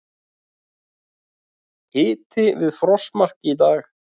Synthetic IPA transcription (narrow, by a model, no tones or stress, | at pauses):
hɪːt̪ʰɪvɪðfɾɔsmar̥cɪit̪aːx